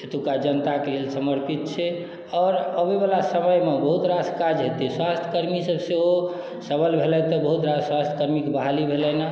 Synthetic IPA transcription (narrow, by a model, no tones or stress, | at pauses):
sʰet̪ukad͡ʒənt̪akelelsəməɾpit̪̚t͡ʃʰɛ | ɔːɾəbebalasəməjmebəɦut̪ɾaskad͡ʒɦet̪eswast̪ʰə̥kəɾmisəbseo | səbəlbʱelɛt̪ɔbəɦut̪ɾaswast̪ʰəkəɾmikebaɦalibʱelɛna